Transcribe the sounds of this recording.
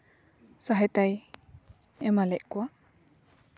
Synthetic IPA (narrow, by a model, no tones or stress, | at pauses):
saɦɛt̪aj | ɛmalɛʔkwaʔ